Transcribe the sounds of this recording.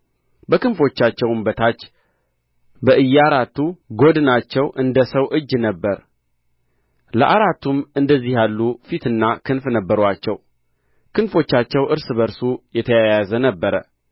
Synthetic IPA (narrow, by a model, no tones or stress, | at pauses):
bəkɨnfo̞t͡ʃːat͡ʃːɛwmbət̪ʰat͡ʃː | bəʔɨjːaɾat̪ːuɡo̞d̪nat͡ʃːɛwʔɨnd̪əsəwʔɨd͡ʒːnəbːəɾ | ləʔaɾat̪ʰːumɨnd̪əzːihjalːufit̪ɨnːakʰɨnfnəbːəɾwat͡ʃːɛw | kɨnfo̞t͡ʃːat͡ʃːɛwʔɨɾsɨbəɾsujɛt̪ʰəjəjazənəbːəɾə